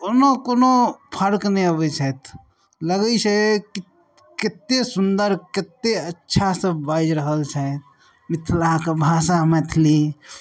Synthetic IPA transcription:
onokonopʰəɾkniobət͡ʃʰɛt̪ʰ | ləɡəit͡ʃeki | kɪt̪ːesʊnd̪əɾkɪt̪ːeətːʃʰasə̃baːd͡ʒɾəɦəlt͡ʃʰət̪ | mɪt̪ʰlakabʱaːsamə̃t̪ʰli

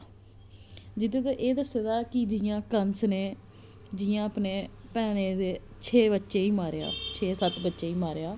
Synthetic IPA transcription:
d͡ʒɪt̪ẽːt̪aʔeːd̪əseːd̪aːkɪd͡ʒɪːãːkənsneː | d͡ʒɪjãːəpneːpɛːnẽːd̪eː | t͡ʃʰeːbətːʃeːiːmaːɾeja̰ːt͡ʃʰeːsət̪bətːʃeːiːmaːɾejaː

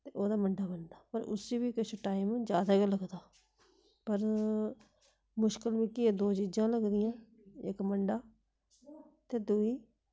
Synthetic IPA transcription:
t̪eːoːd̪aːməɳɖaːbənd̪aːpəɾʊ̰siːbiːkɪʃoʈaːimd͡ʒjaːd̪aːɡeləɡd̪aː | pəɾ | mʊʃkəlʋĩːkɪed̪oːt͡ʃiːd͡ʒãːləɡd̪ɪjãː | ɪkməɳɖaː | t̪eːd̪uiː

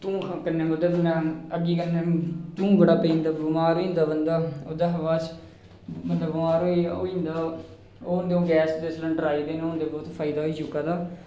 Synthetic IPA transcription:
t̪ũːkʰkənːẽːbəd̪ət̪mɛ̃əɡiːkənẽːt̪ũːbəɽaːpeiːnd̪aːbumaːɾoːind̪aːbənd̪aːoːd̪aːɦʋaːt͡ʃ | mənd̪abaːɾoːio̰ːiːnd̪aː | oːʊnd̪õːɡɛːsd̪eːslə̃ːɖɾaːiːd̪eːnːɦʊnd̪eːbɔːt̪fʰaːid̪aːɦoiːd͡ʒʊkːaːd̪aː

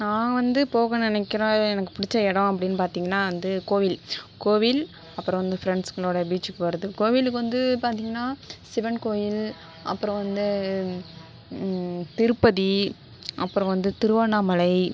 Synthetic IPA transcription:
nãːʋɐnd̪ɯpoːɣɐ̃nɪnɛkːɪɾõːɛnɐkːɯ̥pʊɽɪt͡ʃːɐɛɽɐ̃ɐpːɐɽɪnːɯpaːɾt̪iːŋɡɐnːaːʋɐnd̪ɯkoːʋɪlkoːʋɪl | ɐpːɯɾɔ̃ʋɐnd̪ɯfɪɾɛɳɖskɐɭoːɽɐbiːt͡ʃːɯkːɯʋɐɾɯðɯkoːʋɪlɯkːɯʋɐnd̪ɯpaːɾt̪iːŋɡɐnːaːsɪʋɐnkoːjɪl | ɐ̰pːɯɾɔ̃ʋɐnd̪ɯ | t̪ɪɾɯpːɐði | ʔɐpːɯɾɔ̃ʋɐnd̪ɯt̪ɪɾɯʋaːnaːmɐlɐɪ

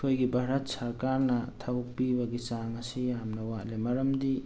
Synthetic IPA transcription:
kʰojɡibʱaɾɐt̚sɐɾkaɾnɐtʰabuk̚pibɐɡit͡ʃaŋɐsijamnɐwalemɐɾɐmdi

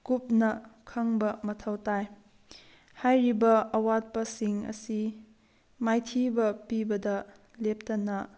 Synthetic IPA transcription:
kup̚nɐkʰɐŋbɐmɐtʰɐwtaj | hajɾibɐɐwat̚pɐsiŋɐ̰si | majtʰibɐpibɐdɐ | lep̚tɐnɐ

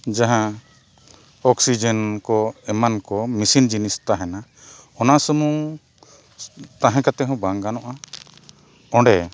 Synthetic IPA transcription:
d͡ʒaɦã | ɔksid͡ʒɛnkɔɛmankɔmisind͡ʒinist̪aɦɛna | ɔnasəmu | t̪ãɦɛ̃kat̪ɛɦɔ̃baŋɡanɔʔa | ɔ̃ɖɛ

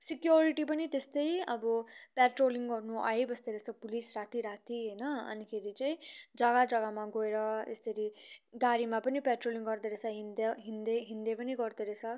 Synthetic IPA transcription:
sikjoɾiʈip̬ʌnit̪est̪ʌjʌ̰bʌpeʈroliŋɡɡʌrnuʔa̰ebʌst̪eɾet͡sʰʌpulisɾat̪iɾat̪iɦʌjnʌʌ̰nikʰeɾit͡saĩd͡zʌɡad͡zʌɡamaɡoeɾʌḛst̪eɾiɡaɾimapʌnipeʈroliŋɡʌɾd̪eɾet͡sʰʌɦind̪eɦind̪eɦind̪epʌniɡʌɾd̪eɾet͡sʰʌ

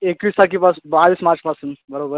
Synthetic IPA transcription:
ekʋiːst̪ʰakːipasbaʋiːsmãt͡ʃpasunbəɾobəɾ

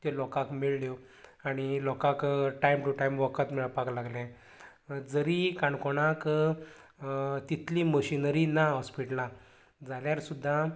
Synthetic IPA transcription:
t̪elɔkakmiɭljo | aɽ̃ilɔkakʈaimʈuʈajmʋəkət̪miɭapaklaɡlɛ̃ | d͡zəɾikaɳkoɽak | t̪it̪ʰliːməɕinəɾinaɦɔspiʈla | d͡zaljaɾsud̪ʱːa

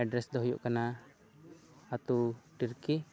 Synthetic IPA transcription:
ɛɖɾɛsd̪ɔɦɔjṵʔkana | at̪uʈiɾkɛ

